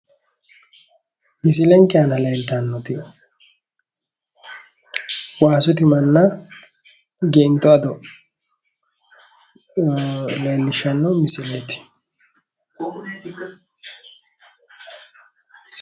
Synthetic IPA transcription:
mɪs̬ɪlɛŋkɛanɐleːlt̪ɐnːɔt̪ɪ | waːsʊt̪ɪmɐnːɐ | ɡɛɪnt̪ɔɐd̪ɔ | leːlːɪʃːɐnːɔmɪsɪlɛt̪ɪ̥

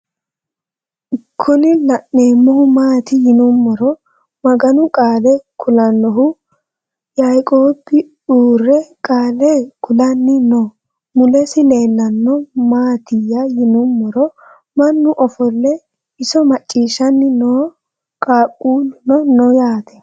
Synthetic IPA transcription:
ɪkʰːɔnɪlɐʔːeːmːɔhʊmaːt̪ɪjɪnʊmːɔɾɔ | mɐɡɐnʊkʼaːlɛkʰʊlɐnːɔɦʊ | jɐjkʼoːbɪ | uːrːɛkʼaːlɛkʰʊlɐnːɪnɔ | mʊlɛsɪle̞ːlːɐnːɔmaːt̪ɪjːɐjɪnʊmːɔɾɔ | mɐnːʊʔɔfɔlːɛ | ɪsɔmɐt͡ʃʼːiːʃɐnːɪnoː | kʼaːkʼuːlnɔnɔjaːt̪ʰɛ̥

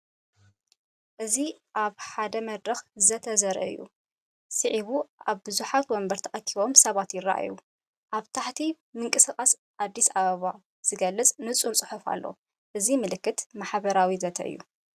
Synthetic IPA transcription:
ʔɨziʔaβħad̪ɐmɐd̪ɾɐxzɐt̪ʰɐzɐɾɐ̰ʔɨ̰jːṵ | sɨʕiβuaβbɨzuħat̪wɔmbɐɾt̪ʰɐχʼɐk̪ʰːiβo̞msɐβat̪jɪrːa̰ʔa̰ju | ʔaβt̪ʰaħt̪ʰi | mɨŋkʼɨsɨkʼas | ʔad̪ːisaβɐβa | z̥ɨɡɐlːɨt͡sʼnɨt͡sʼuɾt͡sʼɨħufa̰lːo̞̰ | ʔɨzimɨlɨkːɨt̪maħβɐɾawizɐt̪ʰɐ̰ʔɨ̰jːṵ

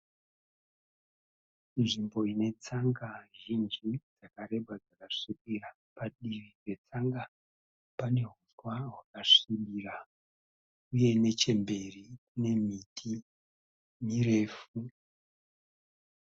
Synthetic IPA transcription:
nʐimbo̞ine̞t͡saŋɡaʒind͡ʒid͡zakaɾe̞bad͡zakaʂikira | paɗirid͡ze̞t͡saŋɡa | pane̞ɦuswaɦwakaʂimbira | uje̞ne̞t͡ʃe̞mbe̞rikune̞mitʰi | mire̞ːfu

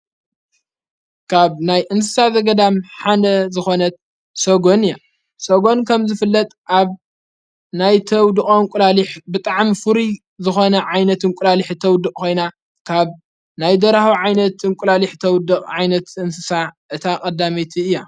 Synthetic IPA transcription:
kʰaβnajʔɨnsɨsazɐɡɐd̪amħad̪ɐzɨxo̞nɐt̪̚ | soɡo̞nɨjːa | soɡo̞nkʰɐmzɨfɨlːɐt̪ʼʔaβ | najt̪ʰɐwd̪ɨkʼoɨŋkʷʼʊlaliħbɨt̪ʼaʕmifɨɾi | zɨxo̞nɐʕajnɐt̪ɨŋkʼʊlaliħt̪ʰɐwd̪ɨkʼko̞jna | kʰaβ | najd̪ɐɾahiʕajnɐt̪ɨŋkʼʊlaliħt̪ʰɐwd̪ɨkʼʕajnɐt̪ɨnsɨsaʔɨt̪ʰakʼɐd̪amet̪ʰiɨjːa

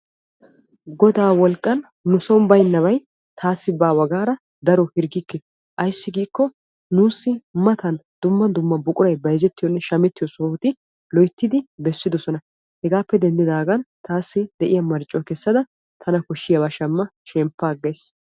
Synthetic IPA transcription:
ɡɔd̪aːwɔlkʼːɐnː | ʊsɔmbɐjnːɐbɐj | t̪ʰaːsːɪbaːwɐɡaːɾɐ | d̪ɐɾɔhɪɾɡɪkːɛ | ʔɐjsːɪɡiːkːɔ | nuːsːɪmɐt̪ɐnd̪ʊmːɐd̪ʊmːɐbʊkʼʊɾɐjbɐjzɛt̪ːɪjɔnːɛʃɐmɛt̪ːɪjɔsɔnʊt̪ɪ | lɔjt̪ːɪd̪ɪbɛsːɪd̪ɔsɔnɐ | hɛɡaːpːɛd̪ɛnd̪ɪd̪aːɡɐnt̪ʰaːsːɪd̪ɛʔɪjɐmɐɾt͡ʃʼːɔkɛsːɐd̪ɐ | t̪ʰɐnɐkɔʃːɪjɐbɐʃɐmːɐʃɛmpːaːɡːɐjs

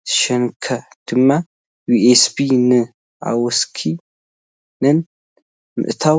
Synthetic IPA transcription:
z̥ɨʃɐnkʰɐd̪̥ɨmːa | juʔesbinɨ | ʔa̰wɔskʰi | nɨn | mɨ̰ʔt̪ʰa

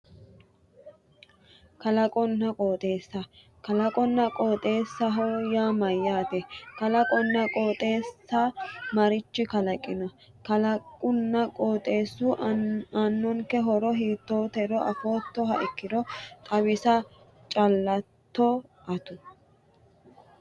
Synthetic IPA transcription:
kɐlɐkʼɔnːɐkʼoːt̪ʼe̞ːsːɐ | kɐlɐkʼɔnːɐkʼoːt̪ʼe̞ːsːɐɦɔjaːmɐjːaːt̪ɛkɐlɐkʼɔnːɐkʼo̞ːt̪ʼe̞ːsːamɐɾɪt͡ʃːɪkɐlɐkʼɪnɐ | kɐlɐkʼʊnːɐkʼoːt̪ʼe̞ːsːuːanːɔŋkɛɦɔɾɔɦiːt̪ːo̞ːt̪ɛɾɔʔɐ̰fo̞ːt̪ːɔɦɐ̰ʔɪkːɪd̪ɔt̪ʼɐβɪsɐ | t͡ʃʼɐlːɐt̪ːɔʔɐt̪ʊ

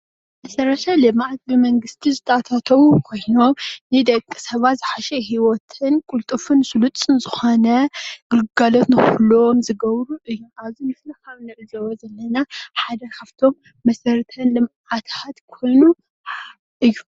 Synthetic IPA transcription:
mɐsɐɾɐʃalɨmʕat̪bɨmɐŋɡɨst̪ʰizɨt̪ʰɐat̪ʰat̪ʰɐwukʰojnomnɨd̪ɐkʼːɨ̥sɐβat̪zɨħaʃɐɦiwɔt̪ʰɨnkʼult̪ʼɨfɨnsulut͡sʼɨnzɨxo̞nɐɡɨlɡalo̞t̪nɨxulomzɨɡɐβɾuʔɨjːuʔazimɨflɐxaβnɨʕɨzɐwɐzɐlːɐnaħad̪ɐkʰɐft̪ʰo̞mː | ɐsɐɾt̪ʰɐnlɨmʕat̪ʰat̪kʰo̞jnu | ʔɨjːu

